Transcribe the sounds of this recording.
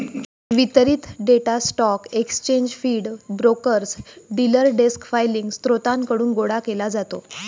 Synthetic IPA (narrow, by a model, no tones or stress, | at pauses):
ʋit̪ɾiːt̪ɖeʈasʈɔkekst͡ɕẽɲd͡ʑfiːɽbɾokəɾsɖiləɾɖeskfajliŋɡst̪ɾot̪ankəɽuːnɡoɽakelad͡zat̪o